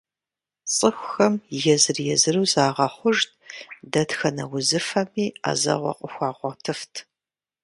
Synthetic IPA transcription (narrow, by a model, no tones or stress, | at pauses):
t͡sʼɨxʷxɐmjɛzɨrjɛzɨrɨwzaːʁɐχʷʊʒtdɐtxɐnɐwʊzɨfɐmiːa̰ːzɐ̰ʁʷɔ̰qʷʼʊxʷɑːʁʷɔtʰɨftʰ